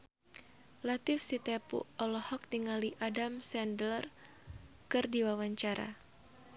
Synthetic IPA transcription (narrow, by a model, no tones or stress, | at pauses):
lat̪ɪfsit̪ɛpṵɔlɔhɔk̚niŋaliʔadamsɛndlər | kɨrdiwawaɲt͡ʃaɾa̰